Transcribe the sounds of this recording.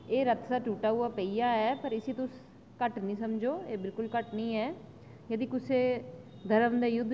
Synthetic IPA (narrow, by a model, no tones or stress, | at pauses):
eːɾət̪saːʈuːʈaːɦuaːpəijaːɛːpəɾɪsiːt̪ʊs | kəʈnĩːsəmd͡ʒoːeːbɪlkʊlkəʈnĩːɛː | jəd̪iːkʊseː | d̪əɾəmd̪eːjʊd̪